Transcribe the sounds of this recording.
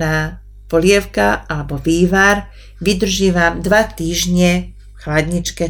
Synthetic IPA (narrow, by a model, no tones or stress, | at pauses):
naː | pɔlɪɛʊkaalɛbɔʋiːʋaɾ | ʋid̪r̩ʒiːʋamd̪ʋat̪iːʒɲɛ | xlad̪ɲit͡ʃkɛ